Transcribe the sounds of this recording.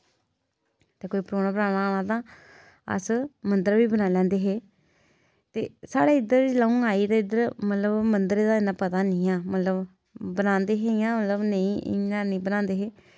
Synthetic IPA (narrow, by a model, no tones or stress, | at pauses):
t̪eːkoːiːpɾoːnaːbəɾaːnaːñãːt̪ãː | ə̰smənd̪əɾʋiːbənãːlɛ̃ːnd̪eːɦeː | t̪ḛːsaːɽeːɪd̪əɾt͡ʃlaːũːaːiːd̪eːɪd̪əɾmət̪ləbmənd̪əɾeːd̪aːɪnãːpət̪aːnĩːãːmət̪ləb | bənãːnd̪eːɦeːɪãːmət̪ləbnəĩːʔɪ̰nãːnə̃ĩːbənãːnd̪eːɦeː